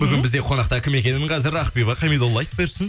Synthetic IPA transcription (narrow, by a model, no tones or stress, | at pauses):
bʏɡʲɪnbɪzd̪e̞qʰo̞nɑq̚t̪ɑkʲʰɪme̞kʲe̞nɪɴqʰɑzɪɾɑqpijβɑqʰɑjmijd̪olˠːɑjt̪beɾsɪn